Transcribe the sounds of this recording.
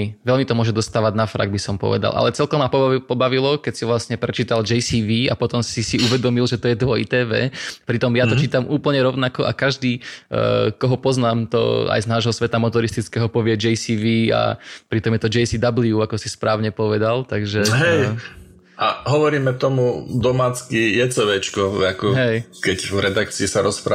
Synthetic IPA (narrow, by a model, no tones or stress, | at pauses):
ʋɛlmit̪ɔmʊɔʒɛd̪ɔst̪aːʋaɟnafɾa̰ɡ̚bisɔmpɔ̰ʋɛ̰d̪a̰lˠʔa̰lɛt͡sɛlkɔmːapɔpɔbaʋilɔkɛcsiʋlasɲɛpɾɛt͡ʃiːt̪ald͡ʒɛjsiʋiːapɔt̪ɔmsisiʔuʋɛd̪ɔmilʒɛt̪ɔjɛd̪ʋɔjit̪ɛːʋɛ̰ːpɾit̪ɔmjat̪ɔt͡ʃiːt̪amuːpl̩ɲɛɾɔʊnakɔʔakaʒd̪iː | kɔɦɔpɔznaːmt̪ɔ̰a̰jznaːʒɦɔsʋɛt̪amɔt̪ɔɾist̪it͡skɛːɦɔpɔʋɪɛd͡ʒɛjsiːʋiːa̰pɾit̪ɔmjɛt̪ɔd͡ʒɛjsid̪abliuakɔsispɾaːʊɲɛpɔʋɛd̪alt̪aɡʒɛɦɛj | aɦɔʋɔɾiːmɛt̪ɔmud̪ɔmaːt͡skijɛt͡sɛʋɛt͡ʃkɔakɔɦɛjkɛɟvɾɛd̪ak̚t͡siisaɾɔspɾa